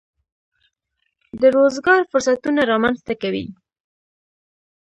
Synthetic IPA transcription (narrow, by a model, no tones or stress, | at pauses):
d̪əɾozɡɑɾfʊɾsat̪unaɾɑmanzt̪akawḭ